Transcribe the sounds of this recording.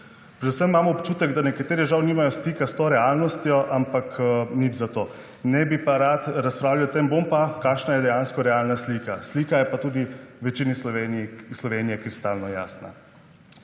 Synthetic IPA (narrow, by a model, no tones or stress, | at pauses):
pɾɛd̪usəmimaːmɔːpt͡ʃuːt̪ɛɡd̪anɛkat̪eːɾiʒawniːmajɔst̪ikast̪oːɾɛalnɔst̪jɔʔampaknid͡ʒzat̪oː | nɛbipaɾat̪ɾaspɾaːwlawɔt̪embompakaːkʃnajɛd̪ɛjanskɔɾɛalnaslikasliːkajɛpat̪uːd̪iʋɛt͡ʃinisʋenslɔʋenijɛkɾist̪aːlnɔjaːsna̰